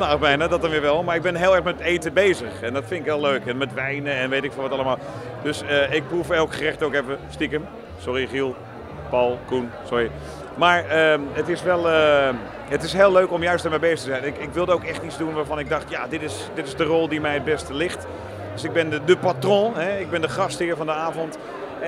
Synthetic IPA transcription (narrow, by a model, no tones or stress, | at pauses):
naːxbɛjnadɔtdɑnʋɪːɹʋɛlˠmaɹɪɡ̚bɪnɦɪːlˠɛɹχmɛtejtəbejzəχɛndɔtfɪntɪkʋɛlˠløːɥkɛnmɛtʋɛjnəɛnʋeːtɪkfnʋɔtɑləmaːlˠ | d̥øsəɪk̚prufɛlˠkχərɛχtoːkɛfəstikəm | sɔriχilˠ | pɑlˠkunsʊɹi | maːɹəətɪsʋɛlˠə | ətɪsɦeːlˠøɥkɔmjœɥstəɹmɛjbejstəzɛjnɪkɪkʋɪlˠdəowkɛχtitt͡sdunʋaːɹvɑnɪɡ̚dɑχtjaːdɪtɪs | dɪtɪzdərɔlˠdimɛjət̚bɛstəlɪχt | døsɪɡ̚bɪnədəpatrɔ̃ɦɛɪɡ̚bɛndəχɑsthɪːɹvɑndəaːvɔnt